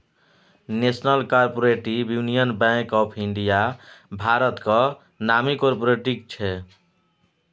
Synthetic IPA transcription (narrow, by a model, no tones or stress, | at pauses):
nesnəlkaɾpoɾeʈibjunijənbɛ̃kɔpʰiɳɖijabʱaɾət̪kə | namikoɾpoɾeʈikt͡ʃʰɛ